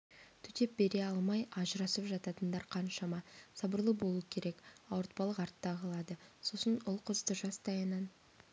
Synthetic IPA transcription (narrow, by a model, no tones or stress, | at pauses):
t̪ʰʏt̪e̞p̚be̞ɾe̞ɑlˠmɑjɑʒəɾɑsəpʒɑt̪ɑt̪ənd̪ɑɾqʰɑnʃɑmɑsɑbəɾlˠəbo̞lˠuəkʲʰe̞ɾe̞kɑwəɾt̪̚pɑlˠəqɑɾt̪ːɑʁəlˠɑd̪əso̞sənʊlˠqʰəzd̪əʒɑst̪ɑjənɑn